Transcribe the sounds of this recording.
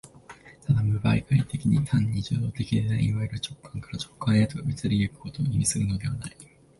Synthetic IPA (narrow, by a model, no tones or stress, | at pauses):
t̪ad̪amɯ̟ba̰ikait̪e̞kʲiɲ̟it̪ʰãɲ̟ːid͡ʑɨ̰ːd̪o̞ːt̪e̞kʲid̪ed̪aiiβaiɾɯ̟t͡ɕo̞kʰːãŋkaɾat͡ɕo̞̥kːãɰ̃jet̪oɡaɡit͡sɨɾʲijɯkɯ̥ko̞t̪oːimʲisɨɾɯ̟no̞d̪e̞β̞anai